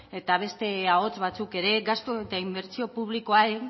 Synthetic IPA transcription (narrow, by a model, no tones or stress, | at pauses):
e̞t̪aβ̞e̞st̪e̞ao̞t͡sβat͡suke̞ɾe̞ɡast̪oe̞t̪aimbe̞ɾt͡sio̞puβliko̞ae